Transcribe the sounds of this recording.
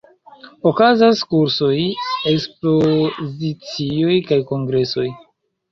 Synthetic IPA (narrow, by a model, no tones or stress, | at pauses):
okazaskuɾso̞je̞kspozit͡sio̞jkajko̞ŋɡɾe̞so̞j